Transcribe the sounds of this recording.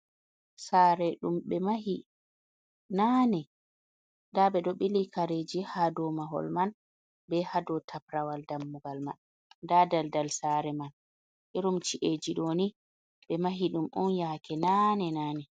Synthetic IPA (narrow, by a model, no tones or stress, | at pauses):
saːɾɛɗumɓɛmaɦi | nanɛ | daɓɛɗɔɓilikaɾed͡ʒihadɔmaɦɔ̰lman | bɛhadɔtʰapɾawaldamːuɡalma̰n | dadaldalsaːɾɛman | ʔɛɾumt͡ʃiʔed͡ʒiɗoni | ɓɛmaɦiɗumʔɔnjaːkʰɛnanɛnaːnɛ